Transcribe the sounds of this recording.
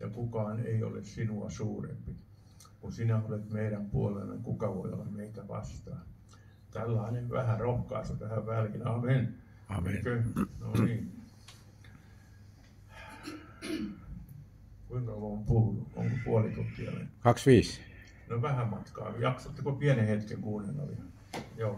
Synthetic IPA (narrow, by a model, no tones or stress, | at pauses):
jɑkukɑːnḛio̰lessinuɑ̰suːrḛmpi | kunsinæolet̪meiɾæmpuolḛlːɑ̰ŋkukɑʋoio̰lːɑmmeit̪æʋɑ̰st̪ɑ | t̪ælːɑineʋʋæhærohkɑːst̪ɑt̪æhæʋʋælinɑːmen | ɑeikøno̰niːn | kuiŋkɑmoːmpuulːuo̰ŋkopuolit̪ut̪ːˑiɑ̰lḛnkɑksʋiːs | noʋæhæmɑt̪kɑ̰ːjɑksot̪ːikopiɛnehet̪keŋkuːnenɑ̰lḭɑ | joː